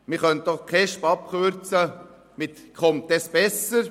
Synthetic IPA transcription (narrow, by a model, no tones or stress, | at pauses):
mɪχœnt̚d̥ɔχkʰɛʃpɑpkøɾt͡sə | mɪt̪kʰχɔmt̚ːɛsb̥ɛsəɾ